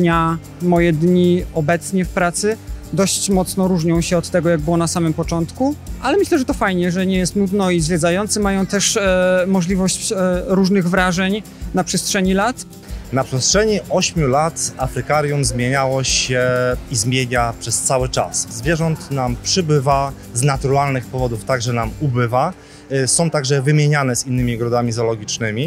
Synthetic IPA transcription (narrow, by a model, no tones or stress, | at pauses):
ɲa | mɔjɛd̪ɲiɔbɛt̪sɲɛfpɾat̪sɘd̪ɔɕt͡ɕmɔt̪snɔɾuʐɲɔ̃w̃ɕɛɔt̪ːɛɡɔjaɡ̚bɘwɔnasamɘmpɔt͡ʂɔnt̪kualɛmɘɕlɛʐɛt̪ɔfajɲɛʐɛɲɛjɛst̪nud̪nɔizvʲjɛd̪zajɔnt̪sɘmajɔ̃w̃t̪ɛʂmɔʐlʲivɔɕt͡ɕɾuʐnɘɣvɾaʐɛɲ | napʂɛstʂɛɲilat̪ | napʂɛstʂɛɲiʔɔɕmʲjulat̪afɾɘkaɾjumzmʲjeɲawɔɕɛizmʲjeɲapʂɛst̪sawɘt͡ʂa̰szvʲjɛʐɔnt̪nampʂɘbɘva | znat̪uɾalnɘxpɔvɔd̪uft̪aɡʐɛnamubɘva | sɔ̃w̃t̪aɡʐɛvɘmʲjeɲanɛzinːɘmʲiɡɾɔd̪amʲizɔlɔɡʲit͡ʂnɘmʲi